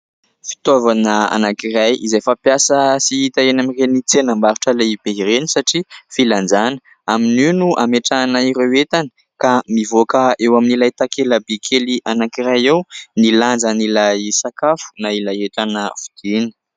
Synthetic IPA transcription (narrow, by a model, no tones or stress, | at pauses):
fi̥t̪ovanəa̰nakirajizajfapjasəsiit̪aenamirenit͡senambaɾuʈ͡ʂəlajibeɦiɾenisaʈ͡ʂifiland͡zanə | amininuʔameʈ͡ʂanaiɾewet̪anə | kamivokəewaminilajt̪akʰeləbekʰeliʔanakiɾajewniland͡zanilajsakafu̥nailajeʈ͡ʂanəv̥ud̪̥ini̥